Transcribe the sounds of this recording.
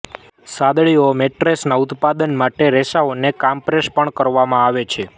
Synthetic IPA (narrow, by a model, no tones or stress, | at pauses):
sad̪ɭiomeʈɾesnaut̪pad̪ənmaʈeɾɛʃaonekampɾeʃpəɳkəɾʋamãaʋet͡ʃʰe